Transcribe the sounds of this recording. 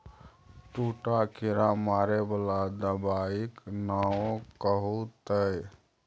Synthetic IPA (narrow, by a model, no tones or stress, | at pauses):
ʈuʈakʰiɾamaɾebəlad̪əbaiknaõkəɦut̪əj